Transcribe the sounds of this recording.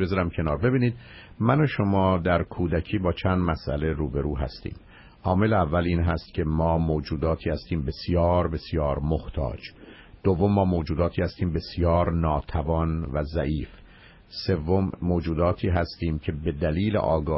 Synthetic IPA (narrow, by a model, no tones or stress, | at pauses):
bezɒɾæmcʰe̞nɒːɾbe̞biːniːd̪̚ | mænoʃomɒːd̪æɾkʰuːd̪æcʰiːbɒːt͡ʃʰænd̪mæsʔæ̰leɾuːbe̞ɾuːɦæ̰st̪ḭːm | ʔɒːme̞leævːæliːnɦæst̪cʲʰe̞mɒːmoːd͡ʒuːd̪ɒːt̪ʰiːhæst̪iːmbe̞sijɒːɾbe̞sjɒːɾmoht̪ʰɒ̰ːd͡ʒ | d̪̥ovːo̞mːɒːmoːd͡ʒuːd̪ɒːt̪ʰiːhæst̪iːmbe̞sjɒːɾnɒːt̪ʰævɒːnvæzæʔiːf | se̞vːomːoːd͡ʒuːd̪ɒːt̪ʰiːɦæst̪iːmcʰe̞be̞d̪æliːlḛʔɒːɡɒː